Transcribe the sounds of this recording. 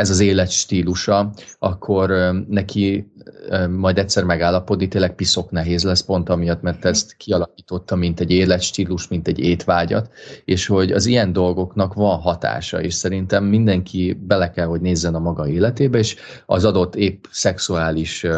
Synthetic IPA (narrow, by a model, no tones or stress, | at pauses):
ɛzɒzeːlɛt̪ʃt̪iːluʃɒɒkʰːo̞ɾnɛkʰi | mɒjd̪ɛtʲsɛrmɛɡaːlːɒpo̞d̪nit̪eːlːɛk̚piso̞knɛɦeːzlɛspo̞nt̪ɒmijɒt̪mɛrt̪ːɛst̪kʰiɒlɒkiːt̪o̞t̪ːɒmint̪ɛɟːeːlɛt̪ʃt̪iːluʃt̪mint̪ɛɟːeːt̪ʋaːɟɒ̰t̪eːʃho̞ɟɒ̰zijɛnd̪o̞lɡo̞knɒkʋɒnɦɒt̪a̰ːʃɒ̰ḛːʃsɛɾint̪ɛmːind̪ɛŋkʰibɛlɛkɛlɦo̞ɟneːzːɛnɒmɒɡɒeːlɛt̪eːbɛeːʃɒ̰zɒd̪o̞t̪ːeːpsɛksuaːliʃ